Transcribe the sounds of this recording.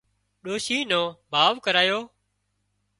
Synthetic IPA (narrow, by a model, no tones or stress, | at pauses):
ɗoːʃiːnõːbʱaːʋkəɾaːjoː